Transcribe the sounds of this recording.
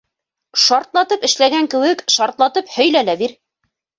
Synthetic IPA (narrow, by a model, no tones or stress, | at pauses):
ʃɑɾt̪lˠɑt̪ɤpɘ̆ʃlæɡæŋkɘ̆wɘkʃɑɾt̪lˠɑt̪ɤphɵ̆jlælæbiɾ